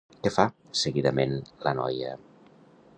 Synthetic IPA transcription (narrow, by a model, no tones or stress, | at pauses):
kefa | səɣiðəmenlənɔ̰jə̰